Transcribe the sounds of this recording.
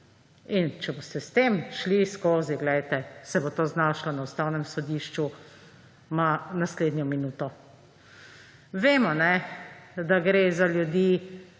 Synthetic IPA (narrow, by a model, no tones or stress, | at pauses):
int͡ʃɛboːst̪ɛst̪eːmʃliskoːziɡlɛjt̪ɛsɛbot̪oːznaːʃlɔnaust̪aːwnɛmsɔd̪iːʃt͡ʃu | manasleːd̪njɔminuːt̪ɔ | ʋeːmɔnɛ | d̪aɡɾeːzaljud̪iː